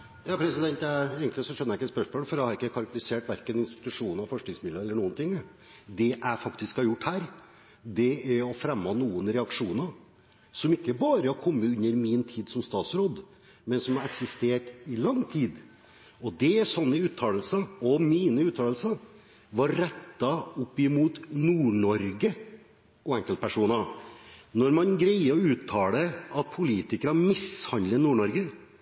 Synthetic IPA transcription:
jɑːpʰɾɛsɪd̪ɛnt̪jæeːɡŋk̪lɪsɔʂɛnəɾæɪkːəɛt̪spœʂmoːlfɔɾjæɪhɑɾɪkːəkʰɑɾɑkt̪lɪseːʈʋæɾkənɪnst̪ɪt̪ʉʂuːnɑfɔʂknɪŋsmɪd̪əɛlːəɳuːənt̪ʰɪŋː | d̪ɛʔæɪfɑkt̪ɪskhɑjʊʈːhæːɾ | d̪ɛæɔfɾɛmːɑnuːənɾɛɑkʂuːnə | sɔmɪkːəbɑːɾəɑkʰɔmːəʉnːəɾmɪnt̪ʰiːd̪sɔmst̪ɑːt̪sɾoːd̪ | mɛnsɔmɑɾɛksɪst̪eːʈɪlɑŋːt̪ʰiːd̪ | ɔd̪ɛsɔnːəʉːt̪ʰːɑːləlsɑɔmiːnəʉːt̪ʰɑːləl̩sə | ʋɑɾːɛt̪ːɑʊpːɪmuːt̪nuːɳɔɾɡə | ʔɔɛŋkəlt̪̚pʰæʂuːnɑ | nɔɾmɑnɡɾæɪəɔʉːt̪ʰːɑːləɑt̪̚pʰʊliːt̪ɪkəɾɑmɪshɑnd̪lənuːɳɔɾɡə

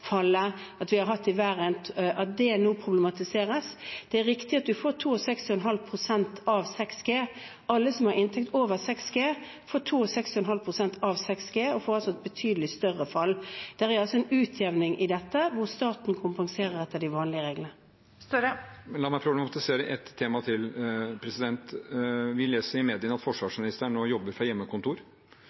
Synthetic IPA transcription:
fɑlːəɑt̪ʋɪhɑɾɦɑt̪ːɪʋæːɾənʔɑt̪̚d̪ɛnoːpʰɾʊblɛmɑt̪ɪseːɾəsd̪̥ɛæɾɪkt̪ɪɑt̪̚d̪ʉfoːʈʰuːɔsɛkst̪ɪɛnɦɑlpʰʁʊsɛnt̪ɑʋsɛksɡ̥eː | ʔɑlːəsɔmhɑɾɪnt̪ʰɛk̚t̪oːʋəʁsɛksɡeː | foːʈʰuːɔsɛksɛnɦɑlpʰʁʊsɛnt̪ɑʋsɛksɡeːɔfoːɾɑlsɔɛt̪̚bət̪ʰyːd̪əlɪst̪œʁəfɑlːd̪̥æʁæɾɑlsɔɛnʉːt̪ʰjɛʋnɪŋʔɪd̪ɛt̪ːəʋʊʁst̪ɑːt̪nkʰʊmpɑŋseːɾəʁɛt̪ːəɖ̪ɪʋɑːnlɪəʁeːɡlənə | st̪ːɛmɛnlɑːmæɪpʰɾʊblɛmɑt̪ɪseːɾəʔɛt̪ʰːeːmɑt̪ʰɪlpʰɾɛsɪd̪ɛnt̪ʋɪleːsəɾɪmeːd̪ɪənɑt̪fɔʂʋɑːʂmɪnɪst̪əɳoːjɔbːəɾfɾɑjɛmːəkʊnt̪ʰuːɾ

